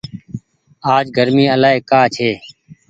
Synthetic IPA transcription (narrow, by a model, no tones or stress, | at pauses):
aːd͡ʒɡəɾmiːəlaːɦeːkaːt͡ʃʰeː